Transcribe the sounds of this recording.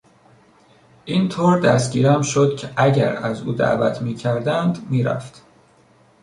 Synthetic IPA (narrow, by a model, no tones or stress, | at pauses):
ʔiːnt̪ʰoːɾd̪æst̪ɟʲiːɾæmʃod̪cʰeʔæɟæ̰ɾæzuːd̪æ̰ʔvæ̰t̪ʰmiːcʰæɾd̪ænd̪miːɾæ̰ft̪